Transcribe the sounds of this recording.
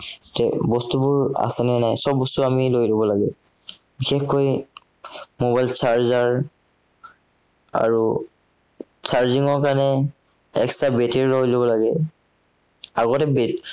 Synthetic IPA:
tɛbɔstubʊɹa̰sɛnɛnajsɔbːɔstuamilojlobɔlaɡɛ | bixexkoj | mobajlsaɹzaɹ | a̰ɹu | t͡ʃʰaɹziŋɔɹkanɛ | ɛ̰kstabeteɹːɔɦjlobɔlaɡɛ | aɡɔtɛbet

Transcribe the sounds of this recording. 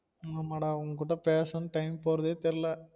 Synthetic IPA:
ŋɐmɐːɽɐ̃ɐʋɐŋɡɐkːuːʈːɐpeːsɐnɯʈɐɪmpoːɾɐðeːt̪ɛɾɪlɐ

